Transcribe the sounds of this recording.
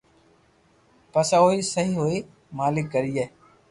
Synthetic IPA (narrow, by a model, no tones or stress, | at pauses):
pəsaːoːiːsəɦiːɦoːiː | maːlɪkːəɾiːeː